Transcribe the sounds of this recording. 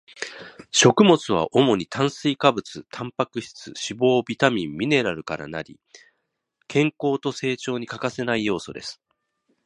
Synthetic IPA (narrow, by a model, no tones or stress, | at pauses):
ɕo̞kɯ̟mo̞t͡sɨβ̞a̰ʔo̞mo̞ɲ̟it̪ʰãɰ̃sɨikabɯ̟t͡sɨt̪ʰãmpakɯ̟ɕi̥t͡sɨ̰ɕibo̞ːbʲit̪amʲĩmːʲine̞ɾaɾɯ̟kaɾa̰na̰ɾʲḭ | kʰẽ̞ŋko̞ːt̪o̞se̞ːt͡ɕo̞ːɲ̟ikakase̞naijo̞ːso̞d̪e̞sɨ̥